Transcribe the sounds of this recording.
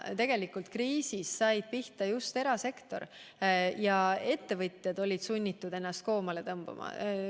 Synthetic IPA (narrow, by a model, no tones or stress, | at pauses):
t̪e̞ɡ̥e̞likult̪̚kriːsisːɑjd̪̥̚piht̪ɑjust̪e̞ɾɑse̞kt̪o̞̰r | jɑe̞t̪ːe̞vɤt̪ʲˑjɑd̪̥o̞lʲid̪̥sunʲːit̪ːˑud̪e̞nːɑst̪̚ko̞ːmɑle̞t̪ɤmb̥ṵmɑ̰